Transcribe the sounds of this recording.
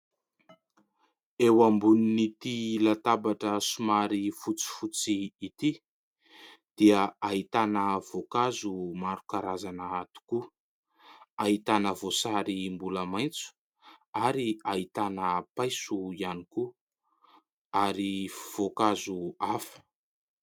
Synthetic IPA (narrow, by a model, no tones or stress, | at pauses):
ewambuninit̪ilat̪abaʈ͡ʂəsumaɾifut͡si̥fut͡siːt̪i | d̪̥iəait̪anəv̥okazumaɾukaɾazanaat̪u̥ku | aɦit̪anəvosaɾimbuləmajnt͡su̥ | aɾiait̪anəpajsuianiku | aɾiv̥okazuafə̥